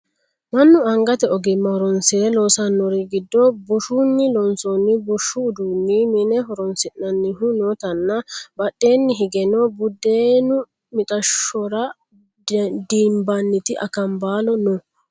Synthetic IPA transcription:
mɐnːʊɐŋɡɐt̪ɛɔɡɪmːɐhɔɾɔnsɪɾɛlo̞ːsɐnːɔɾiɡɪd̪ːɔbʊʃunːɪlɔnsɔnːɪbʊʃːʊːd̪uːnːɪmɪnɛɦɔɾɔnsɪnːɐnːɪɦʊnoːt̪ɐnːɐbɐɗːe̞ːnːɪɦɪɡɛnɔbʊd̪ːeːnʊ | mɪt̪ʼɐʃɔɾɐ | d̪iːmbɐnːɪt̪ɪʔɐ̰kɐmbaːlɔnɔ

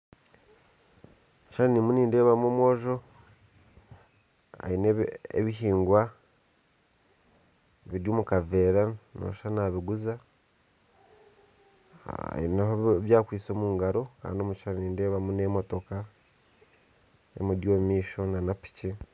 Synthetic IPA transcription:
uʃaɾanimuniːnde̞ːβamomwo̞ːʒo̞ | a̰ineḛβiɦiːŋɡwa | βiɾjuːmukave̞ɾano̰ʃanaβiɡuza | ḭneɦoβjaːkwiːso̞ːmuːŋɡaɾo̞ka̰ːndomuʃaɾaniːnde̞ːβamunemo̞to̞ka | ḛmudjoːmiːʃo̞nanapi̥ce

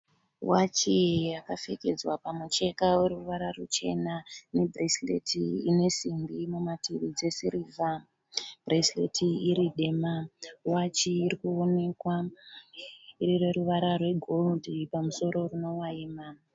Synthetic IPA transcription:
wat͡ʃijakafeke̞d͡zwapamut͡ʃe̞kawe̞ɾuʋaɾarut͡ʃe̞̰nane̞breslḛtʰiine̞simbimumatiʋid͡ze̞siriːva | b̥reslḛtʰiiɾiɗe̞mawat͡ʃiːrikuone̞kwa | iɾire̞ɾuʋaɾarwe̞ɡʱoldipamuso̞ɾo̞runo̞waiːma

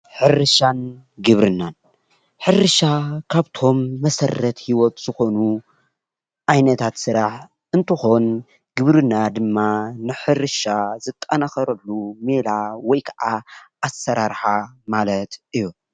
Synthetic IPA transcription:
ħɨɾɨʃan | ɡɨβɾɨnːan | ħɨɾɨʃakʰaβt̪ʰo̞mːɐsɐrːɐt̪hiwot̪z̥ɨxo̞nu | ʔajnɐt̪ʰat̪sɨɾaħ | ʔɨnt̪ʰɨxo̞n | ɡɨβɾɨnːad̪ɨmːanɨħɨɾɨʃazɨt̪ʼːɐnaxɐɾɐlːumelawɔjkʰɐʔaʔasːɐɾaɾħamalɐt̪ʔɨjːu

